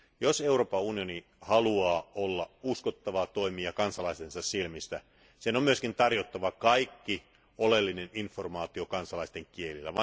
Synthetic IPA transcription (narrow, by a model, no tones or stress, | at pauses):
jose̞uroːpɑunioni | hɑluɑːolːɑuskot̪ːɑʋɑːt̪o̞imiɑkɑnsɑlɑist̪ensɑssilmist̪æ | senommyøskint̪ɑrjot̪ːɑʋɑkɑikːi | olelːineninformɑːt̪iokɑnsɑlɑist̪eŋkielilːæ̰ʋɑ